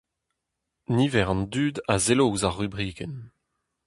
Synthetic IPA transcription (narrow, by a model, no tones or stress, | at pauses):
nivɛʁɑ̃ndyːd̪azelowzaʁːybʁiːkɛn